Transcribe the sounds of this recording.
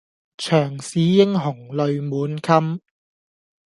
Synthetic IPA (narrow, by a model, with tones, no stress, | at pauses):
t͡ʃʰœː˨˩ŋsiː˨˥jɪ˥ŋɦʊ˨˩ŋlɵ˨ɥmuː˨˥nkʰɐ˥m